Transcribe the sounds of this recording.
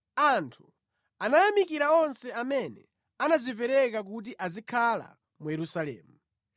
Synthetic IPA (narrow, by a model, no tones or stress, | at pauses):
antʰu̥ | anajamikiɾaɔnsɛamɛnɛ | anazipɛɾɛkak̬ut̬iʔazikʰala̰ | mujɛɾusalɛ̰ːmu